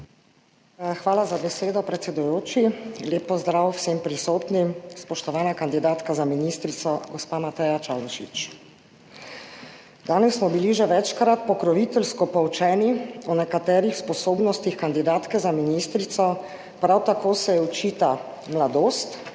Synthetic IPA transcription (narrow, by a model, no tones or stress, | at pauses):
xʋaːlazabɛseːd̪ɔpɾɛt̪sɛd̪ujoːt͡ʃileːpːɔzd̪ɾawwsempɾisoːt̪nispɔʃt̪ɔʋaːnakand̪id̪aːt̪kazaminist̪ɾit̪sɔɡɔspamat̪ɛjat͡ʃalʃḭt͡ʃ | d̪aːnɛsːmɔbiliʒɛʋɛt͡ʃkɾat̪̚pɔkɾɔʋit̪ɛlskɔpɔwt͡ʃɛːniɔnɛkat̪ɛːɾixspɔsoːbnɔst̪ixkand̪id̪aːt̪kɛzaminist̪ɾit̪sɔ | pɾawt̪akoːsɛjɛɔt͡ʃit̪a | mlad̪oːst̪